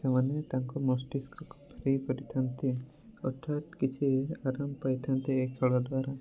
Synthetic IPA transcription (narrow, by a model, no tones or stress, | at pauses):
sɛmanɛt̪aŋkɔmɔsʈiskɔkpʰɾipɔɾit̪ʰant̪ɛ | ɔʈ̪ʰːat̪kit͡ʃʰiaɾampajt̪ʰant̪ɛːkʰːɛɭɔd̪waɾa